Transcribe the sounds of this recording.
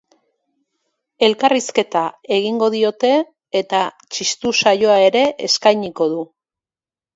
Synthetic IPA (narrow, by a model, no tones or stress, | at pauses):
e̞lkariske̞t̪ae̞ɣ̞iŋɡo̞ðio̞t̪e̞ː | t̪a | t͡ʃist̪usajo̞ae̞ɾe̞ʔeskajɲiko̞ðu